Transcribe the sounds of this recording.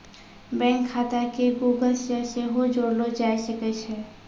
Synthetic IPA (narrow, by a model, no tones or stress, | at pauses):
bɛ̃ŋkʰːat̪akeɡuɡəlseseɦod͡ʒoɽlod͡ʒajsəkɛt͡ʃʰɛ